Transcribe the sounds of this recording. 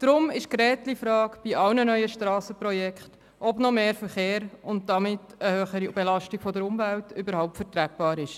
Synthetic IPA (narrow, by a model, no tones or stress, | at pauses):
d̥ɾʊmɪʃkɾɛːt̪lifɾɑːkb̥iʔɑwnənœʏəʃtɾɑːsəpɾɔjɛkχt | ʔɔbnɔmeːɾfəɾχeːɾʊnt̚d̥ɑmɪtəhøːχəɾib̥elɑʃtiɡ̥fɔdəɾʊmvæltʏbəɾɦhaʊp̚tfəɾtɾæp̚b̥ɑːɾɪʃ